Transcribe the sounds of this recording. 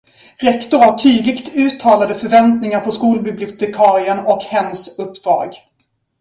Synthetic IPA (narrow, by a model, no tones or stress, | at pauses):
ɾɛkt̪ʊɾhaʈʰyːd̪lɪkt̪ʉ̟ːt̪ʰːɑːlad̪əfœɾvɛnt̪nɪŋaɾpʰɔskuːlbɪblɪʊt̪ɛkʰɑːɾɪənɔkhɛnːsɵpːd̪̥ɾɑ̰ːɡ